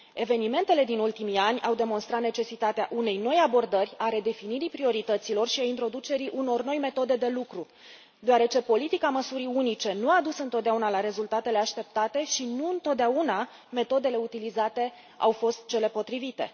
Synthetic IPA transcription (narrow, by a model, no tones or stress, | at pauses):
e̞ve̞nime̞nt̪e̞le̞d̪inult̪imianʲawd̪e̞mo̞nst̪ɾat̪ne̞t͡ʃe̞sit̪at̪eaʔune̞jno̞jabo̞rd̪ərʲaɾe̞d̪e̞finiɾipɾio̞ɾit̪ət̪silo̞rʃiaint̪ɾo̞d̪ut͡ʃe̞ɾiʔuno̞rno̞jme̞t̪o̞d̪e̞d̪e̞lukɾu | d̪oaɾe̞t͡ʃe̞po̞lit̪ikaməsuɾiunit͡ʃe̞nuad̪usɨnt̪ot̪̚d̪eaunalaɾe̞zult̪at̪e̞le̞aʃt̪e̞p̚t̪at̪e̞ʃinuɨnt̪o̞t̪̚d̪eauna | me̞t̪o̞d̪e̞le̞ut̪ilizat̪e̞ | a̰wfo̞st̪̚t͡ʃe̞le̞po̞t̪ɾivit̪e̞̰